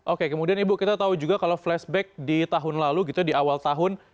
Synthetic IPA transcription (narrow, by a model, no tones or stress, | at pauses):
ʔokekəmudianibukit̪at̪aud͡ʒuɡakaloflɛsbɛk̚dit̪aɦʊnlaluɡit̪udiawalt̪aɦʊn